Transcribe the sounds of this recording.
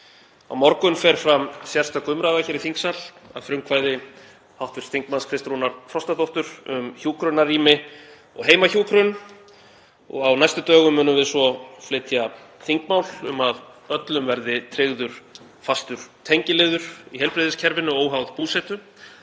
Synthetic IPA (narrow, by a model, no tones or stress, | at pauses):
a̰wmɔɾkʏnfɛɾ̥fɾamsjɛr̥st̪akʏmɾavaçɛɾiθiŋksala̰ðfɾʏŋkʰvaːjðɪ | hawht̪vɪɾ̥t̪iŋkmanskʰɾɪst̪ɾunaɾ̥fɾɔst̪aθowht̪ʏɾʏmçuːkɾʏnarːiːmɪ | ɔ̰ɣɦeːjmaçuːkɾʏn | ɔ̰ɣawnajst̪ʏt̪œːɣʏmːʏːnʏmvɪðsvɔflɪːt̪ja | θiŋkmawlʏ̰mað | œt̪lʏmvɛɾðɪt̪ʰɾɪɣðʏɾ̥ | fast̪ʏɾ̥t̪ʰejɲcɪlɪːðʏɾ̥iɦɛjlpɾɪðɪscʰɛɾvɪnːʏoːwɦawðpuːsɛt̪ʏ